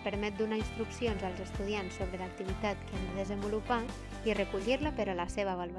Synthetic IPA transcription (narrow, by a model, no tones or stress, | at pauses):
pəɾmɛt̪̚d̪unainst̪ɾuksionzəlˠzəst̪uðiansːoβ̞ɾələk̚t̪iβit̪at̪kand̪əðəzəmbulupa | irəkuʎiɾləpəɾələseβəβalβ